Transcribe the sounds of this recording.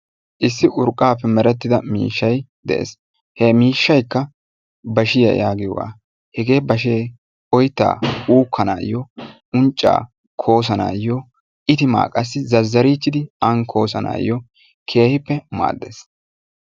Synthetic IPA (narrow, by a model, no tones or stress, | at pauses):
ʔɪsːɪʔʊɾkʼːaːpːɛmɛɾɛt̪ːɪd̪ɐmḭːʃːɐjd̪ɛ̰ʔḛs | hɛmiːʃːɐjkːɐ | bɐʃɪjɐ̰jaːɡɪ̰wa̰ː | hɛɡe̞ːbɐʃ̬eː | ɔjt̪ːa̰ːuːkʰːɐnaːjɔ | ʊnt͡ʃʼːa̰ː | kʰo̞ːs̬ɐna̰ːjɔ | ʔɪt̪ɪma̰ːkʼːɐsːɪzɐzːɐɾiːt͡ʃːɪd̪ɪɐŋkʰo̞ːsɐna̰ːjːɔ | kʰe̞ːhɪpːɛma̰ːd̪ːeːs